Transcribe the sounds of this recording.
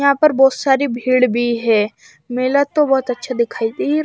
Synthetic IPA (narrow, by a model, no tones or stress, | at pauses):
ãːpəɾbɔːt̪saːɾibʱiːɽbʱiɦɛː | meːlət̪ːõbɔːt̪ɐtːʃʰad̪ɪkʰaːit̪i